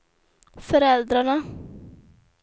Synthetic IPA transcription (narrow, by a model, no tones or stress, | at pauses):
fɔɾɛld̪ɾaɳə